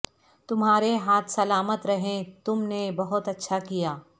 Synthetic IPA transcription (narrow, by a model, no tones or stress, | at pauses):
t̪ʊmɦaːɾeɦaːt̪ʰsɐlaːmət̪ɾɐɦẽt̪ʊmnebɐɦʊt̪ɐtːʃʰakijaː